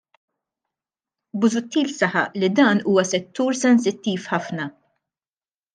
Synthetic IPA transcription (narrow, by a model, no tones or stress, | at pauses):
bʊzʊt̪ːiːlsɐħɐʔlid̪ɐːnuːwɐsɛt̪ːuːɾsɛnsɪt̪ːiːfħɐfnɐ